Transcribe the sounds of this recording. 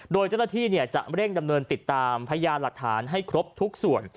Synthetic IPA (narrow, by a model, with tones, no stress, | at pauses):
doː˧jt͡ɕa˥˩na˥t̪ʰiː˥˩ni˥˩ət͡ɕa̰˨˩ʔɾe˥˩ŋda˧mnɤː˧nt̪i˨˩t̪ːaː˧mpʰa˧ja˧jaː˧nla˨˩k̚t̪ʰaː˩˦nɦa˥˩jkʰɾo˦˥p̚t̪ʰu˦˥k̚su˨˩ən